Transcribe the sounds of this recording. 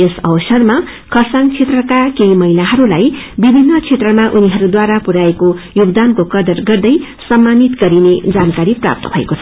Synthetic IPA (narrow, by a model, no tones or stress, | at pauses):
esʌ̰wʌsʌrma | kʰʌsaŋt͡sʰet̪rʌkakejmʌɦilaɦʌɾulajbibʱinːʌt͡sʰet̪rʌmaʔuniɦʌɾud̪waɾapuɾaekojuɡd̪ankokʌd̪ʌrɡʌrd̪ʌjsʌmːanit̪ɡʌɾined͡zankaɾipra̰p̚t̪ʌ̰bʱʌḛkot͡sʰʌ